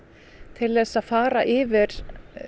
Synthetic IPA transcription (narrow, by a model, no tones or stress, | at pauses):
t̪ʰɪlːɛsaðfaːɾaʔɪːvɪɾ̥